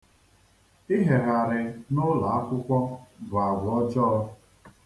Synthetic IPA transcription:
ɪ˦ɦe˨ɣa˨ɾɪ˨nʊ˦la˨a˦kʷʊ˦kʷɔ˦bʊ˨a˨ɡʷɔ˦t͡ʃɔː˦ɔ˦

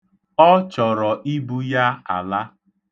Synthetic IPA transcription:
ɔ˦t͡ʃɔ˨ɾɔ˨ʔi˦bu˦ja˦a̰˨la˦

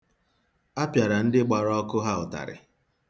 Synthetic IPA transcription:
a˦pja˨ɾa˨n̩˦dɪ˦ɡ͡ba˨ɾɔ˦kʊ˦ɦa˦ʊ˨ta̰˨ɾɪ̰˨

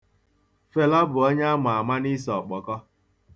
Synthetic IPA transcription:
fe˨lɔ˦bʊ˨ɔ˦ɲa˦m˨a˨a˨ma˦ni˦s̬ɔ˨k͡pɔ˨kɔ˦

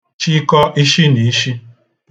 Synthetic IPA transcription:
t͡ʃi˦kɔ˦ʔi˦ʃi˦ni˨i˦ʃi˦

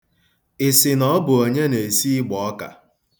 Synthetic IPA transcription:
ɪ˨sɪ˨nɔ˦bʊ˨o˨ɲe˦ne˨si˦ɡ͡bɔ˨ɔ˦ka̰˨

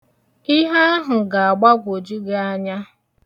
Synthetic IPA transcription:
i˦ɦa˦ɦʊ˨ɡa˨a˨ɡ͡ba˦ɡʷo˨d͡ʒi˦ɡe˦a˦ɲa˦

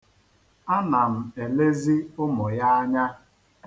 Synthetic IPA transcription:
a˦na˨m̩˨e˨le˦zi˦ʊ˦mʊ˨ja˦a˦ɲa˦

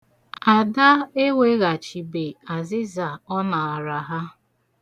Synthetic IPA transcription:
a˨da˦e˦wʷe˦ɣa˨t͡ʃi˨be˨a˨zɪ˦za˨ɔ˦na˨a˨ɾa˨ɦa˦

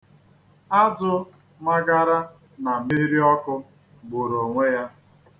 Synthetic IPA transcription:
a˦zʊ˦ | ma˦ɡa˦ɾa˦ | na˨mi˦ɾi˦ɔ˦kʊ˦ | ɡ͡bʊ˨ɾo˨ŋʷe˦ja˦

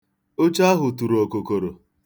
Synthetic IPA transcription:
o˦t͡ʃa˦ɦʊ˨tu˨ɾo˨ko˨ko˨ɾo˨

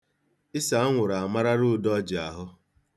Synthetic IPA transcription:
ɪ˦sa˨˦ŋʷʊ˨ɾa˨a˨ma˦ɾa˦ɾʊ˦˨dɔ˦d͡ʒɪ˨a˨ɦʊ˦

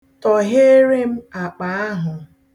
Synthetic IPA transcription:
tɔ˨ɦe˦ɾe˦m̩˦a˨k͡pa˨a˦ɦʊ˨

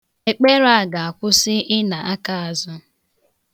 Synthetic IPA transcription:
e˨k͡pe˦ɾa˨ɡa˨a˨kʷʊ˦sɪ˦ɪ˦na˨a˦ka˦˨a˨zʊ˦

